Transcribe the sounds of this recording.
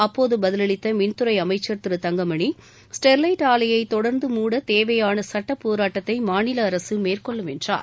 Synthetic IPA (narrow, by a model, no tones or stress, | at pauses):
ɐpːoːðɯbɐðɪlɐɭɪt̪ːɐmɪnt̪ɯɾɐɪɐmɐɪt͡ʃːɐɾt̪ɯɾɯt̪ɐŋɡɐmɐɳi | sʈɛɾlɐɪʈaːlɐjɐɪt̪ɔɽɐɾnd̪ɯmuːɽɐt̪eːʋɐjaːnɐsɐʈːɐpːoːɾaːʈːɐt̪ːɐɪmaːnɪlɐːɾɐsɯmeːrkɔɭːɯmɛndra̰ːɾ